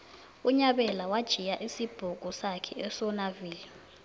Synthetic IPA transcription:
uɲaɓɛlawad̥ʒ̥ʱijaʔisib̥ʱuɡ̥ʱusakʰɛɛsɔnaviːli

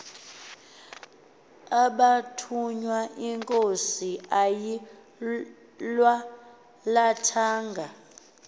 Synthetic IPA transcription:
aɓatʰuɲwaʔiŋkʼosiaji | lwa | latʰaːŋɡʱa

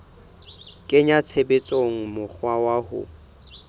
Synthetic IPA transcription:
kʼɪɲat͡sʰebet͡sʼoŋ̩mʊk͡xʰwawahʊ̰

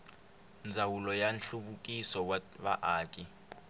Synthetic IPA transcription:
nd͡zʱawulɔjanɬuɓuk̬ʼisɔɓaʔaːkʼi

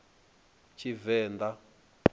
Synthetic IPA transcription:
t͡ʃʰivɛːnd̪a

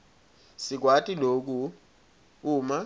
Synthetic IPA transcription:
sik̬watʼilok̬ʼu | uːma

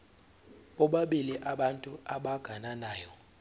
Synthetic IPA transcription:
ɓɔɓaɓiliʔaɓantʼuʔaɓaɡ̥ʱananaːjɔ

